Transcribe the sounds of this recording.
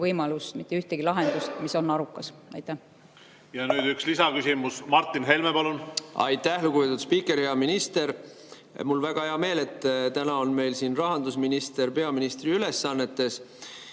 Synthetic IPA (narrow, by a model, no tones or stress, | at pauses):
vɤjmɑlust̪mit̪ˑːeyht̪eɡ̥ilɑɦe̞nd̪ust̪miso̞nːɑɾukːˑɑsɑ̰jt̪ːˑæh | jɑnyːd̪ykslisɑkysimusmɑrt̪ːˑinɦelmepɑlunɑ̰jt̪ːˑæhlukubet̪ud̪spiːkːˑe̞ɾheɑminist̪e̞ɾ | mulvæɡ̥ɑhe̞ɑme̞ːle̞t̪ːˑt̪ænɑo̞nme̞jlsiːnrɑɦɑnd̪usminist̪e̞ɾpe̞ɑminist̪riyle̞sːɑnːe̞t̪ːe̞s